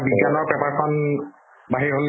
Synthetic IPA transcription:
biɡanɔɹpɛpaɹkʰɔn | baɦiɹɦol

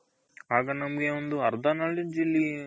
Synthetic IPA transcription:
aːɡɐnɐmɐɡeond̪uɐɾd̪ʱanaːɭid͡ʒilːi

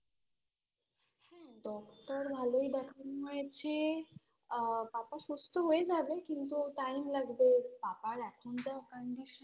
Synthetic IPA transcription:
hɛ̃ɖɔkʈəɾbʱaloid̪akʰanmuat͡ɕe | papasost̪əɦoed͡zaʋekĩnt̪oʈaimlaɡb̪epapaɽat̪ʰund͡ʑakəɳɖiɕə

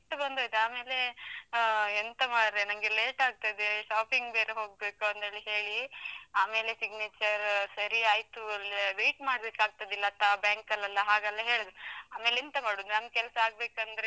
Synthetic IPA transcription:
ʈːɐbɐnd̪ojt̪eaːme̞ːle̞ | ent̪ɐmaːɖɾenɐmɡeleːʈaːɡ̚t̪ɐd̪eʃaːpiŋɡbeːɾeɦo̞ːɡ̚beːkuɐnt̪eɭiɦe̞ːɭiaːme̞ːlesiɡnet͡ʃɐɾsɐɾiaːjt̪uɐlʋejʈmaːɽbekːaːɡ̚t̪ɐd̪ilːɐːt̪ːabjaːŋkɐlːɐlːɐɦaːɡɐlːɐɦe̞ːɭd̪ɾaːme̞ːlent̪ɐmaːɽunɐmɡkɛlɐsɐaːɡ̚beːkɐnd̪ɐɾe

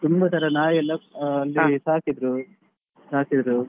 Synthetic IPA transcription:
t̪umbɐt̪ʰɐɾɐnaːjɛlːɐɐlːisaːkid̪ɾu | saːkid̪ɾu

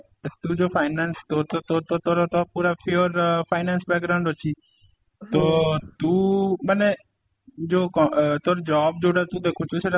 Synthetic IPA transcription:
t̪ũːd͡ʒoːfʰaːɪnanst̪ot̪ot̪ot̪ot̪oːɾot̪opuːɾapʰɪjoɾpʰaːɪnaːnsbɛk̚ɡɾaʊɳɖɦot͡ʃʰiː | t̪oːt̪uːməne | d͡ʒoːkɔt̪oːɾd͡ʒɔːb̚d͡ʒoːɽat̪ũːd̪eːkʰuːt͡ʃʰɪt͡ʃʰeɾ

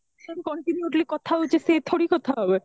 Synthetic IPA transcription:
ʃonkɔɳʈinjuʈlikɔt̪ʰaot͡ɕʰeset̪ʰoɽikɔt̪ʰaɦɔbe

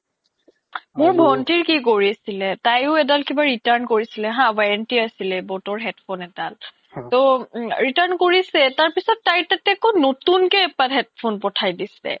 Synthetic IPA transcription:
mʊɹbʱɔntiɹkikoɹisilɛtajʊɛdalkibaɹitaɹnkoɹisilɛɦãbaɹɛntiasilɛbɔtɔɹɦɛtpʰonɛdal | toɹitaɹnkoɹisɛtaɹpisɔtːajtɛtɛkonotunkɛɛpaɦɛt̚pʰonpɔtʰajdisɛ̰

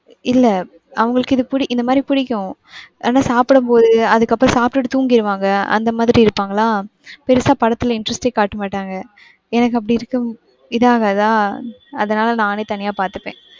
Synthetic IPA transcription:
ɪlːɛ | ʔɐʋɐŋɡɐɭɯkːɪðɯpʊɽɪʔɪnd̪ɐmaːd̪ɾipʊɽɪkːʊ̃ʔaːnːaːsaːpɪɽɐmpoːðɯɐðɯkːɐpːɾɔ̃saːpʈɯʈːɯt̪uːŋɡɪɾɯʋaːŋɡɐɐ̰nd̪ɐmaːðɪɾiɪɾɯpːaːŋɡɐɭlaːpɛɾɯsaːpɐɽɐt̪ːɪlɪɳɖɾɐsʈeːkaːʈːɯmaːʈːaːŋɡɐ | ɛnɐk̬ːɯɐp̬ːɐɽiɪɾɯkːɯm | ɪðaːɣaːðãːɐðɐnaːlɐnãːneːt̪ɐnɪjaːpaːɾt̪ɯpːḛ̃ː

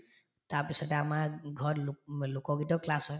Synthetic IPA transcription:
taɹpisɔtɛamaɡʱɔɹllʊkɔɡitɔklasɔ

